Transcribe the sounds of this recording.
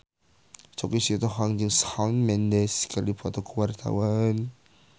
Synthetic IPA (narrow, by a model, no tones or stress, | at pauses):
t͡ʃɔkisit̪ɔɦaŋd͡ʒəŋsawnmɛndɛskalipʰɔt̪ɔkʰuwart̪ʰa̰wan